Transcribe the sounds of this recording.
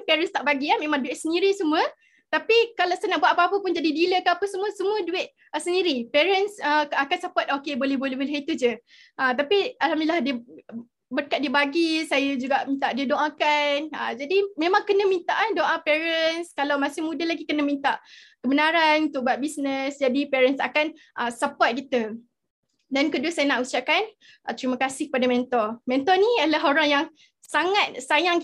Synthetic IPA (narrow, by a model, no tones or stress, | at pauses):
pɛɾənst̪aʔbaɡiamẽmãŋduɪt̪̚səndiɾisəmuə | t̪apikalasajanaʔbwat̪̚apaapəpʊnd͡ʒadidiləkaapəsəmuəsəmũəduɪt̪̚ | əsəndiɾipɛɾənsəakansapat̪̚okebolɛɦbolɛhɦbolɛɦit̪ud͡ʒə | ʔət̪apialɦamnilahdiə | bərkat̪̚diəbaɡisajad͡ʒuɡaʔmĩnt̪aʔdiədõʔãkanə̰d͡ʒadimẽmãŋkənə̃mĩnt̪aʔandoʔãpɛɾənskalawmãsɪhmudalaɡikənə̃mĩnt̪aʔkəbənaɾant̪uʔbat̪̚bisnəsd͡ʒadipɛɾənsa̰kan | ʔəsəpɔt̪̚kit̪ə | dankəduəsajənaʔusaʔkan | t̪əɾiməkasɪhkəpadamɛ̃nt̪ɔrmɛ̃nt̪ɔnĩalaɦoɾaŋjaŋ | saŋat̪̚sajaŋ